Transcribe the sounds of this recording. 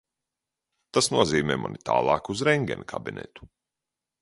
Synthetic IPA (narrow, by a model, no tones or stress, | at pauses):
t̪asnuɔziːmɛːmɔ̰nit̪ʰa̰ːlˠɑːkuzɾɛŋɡɛnʲikʰabinḛt̪u̥